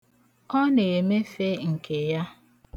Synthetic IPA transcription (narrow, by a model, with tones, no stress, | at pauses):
ɔ˦ne˨me˦fe˦ŋ̩˨ke˨ja˦